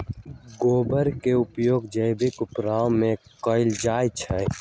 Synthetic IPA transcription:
ɡoːbəɾkeʊpjoːɡd͡ʒəɪbɪkʊpɾaːwmẽkɔːɪld͡ʒaːjt͡ʃʰɛ

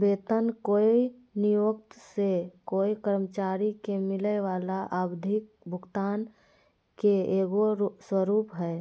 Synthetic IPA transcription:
beːt̪ənkoːi | nijoːk̚t̪sekoːikəɾmət͡ʃaːɾikemɪleʋaːlaʔəbd̪ʱɪk̚ | bʱʊɡt̪aːn | keeːɡoswəɾuːpɦɛː

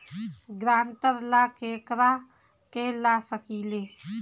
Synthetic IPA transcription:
ɡɾant̪əɾlakekɾa | kelasəkile

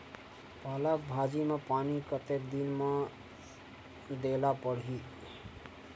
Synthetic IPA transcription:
paːlak̚bʱad͡ʒimepaːnikət̪ek̚d̪inme | d̪elapəɽɦi

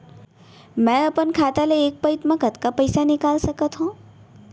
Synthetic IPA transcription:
mɛ̃əpənkʰat̪aleːk̚pəit̪mãkət̪kapəjsanɪkalʃəkət̪ɦɔ̃

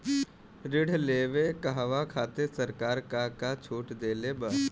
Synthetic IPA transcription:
ɾɪɽʱleːʋekaɦʋakʰaːt̪esəɾkaːɾkaːkat͡ʃʰoːʈd̪eːlebaː

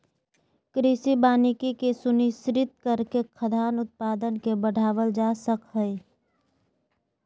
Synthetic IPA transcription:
kɾɪsibaːnɪkikesʊnisɾɪt̪̚kəɾkekʰəd̪ʱaːnʊt̪̚paːd̪ənkebəɖʱaːʋəld͡ʒaːsəkɦɛe

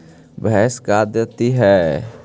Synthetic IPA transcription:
bɛːskad̪jət̪iɦɛː

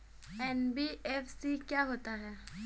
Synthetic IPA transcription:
ɛnbiɛfsikjaːɦoːt̪aɦɛː

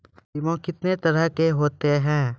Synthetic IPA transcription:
ɪʋõkɪt̪net̪ɐɾəɦkeɦoːt̪eɦɛ̃ː

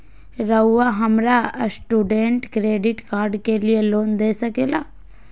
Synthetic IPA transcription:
ɾɐuwaɦɐmɾasʈuːɖẽɳʈkɾeːɖɪʈkaːɾɖkelijeloːnd̪eːsɐkeːlaː

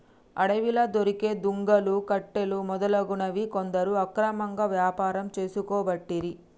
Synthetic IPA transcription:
ɐɽɐʋilɐd̪oɾike̞ːd̪uŋɡɐlukɐʈːelumɔd̪ɐlɐɡunɐʋikond̪ɐɾuɐkɾɐmɐŋɡaːʋjaːpaːɾɐmt͡ʃe̞ːsukɔːbɐʈːiɾi

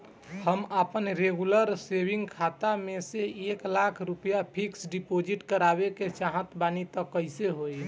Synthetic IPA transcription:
həməpənɾeɡuləɾsebiŋɡkʰat̪ameseeklakʰɾupəjapʰiksɖipod͡ʒiʈkəɾabeket͡ʃaɦə̃t̪banit̪əkːəɪseɦoi

